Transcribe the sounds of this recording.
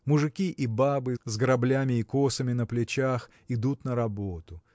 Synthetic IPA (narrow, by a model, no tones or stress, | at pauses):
mʊʐɨkʲiʔibabɨzɡəɾɐblʲamʲɪːkosəmʲɪnəplʲɪt͡ɕax | ɪd̪ut̪nəɾɐbot̪ʊ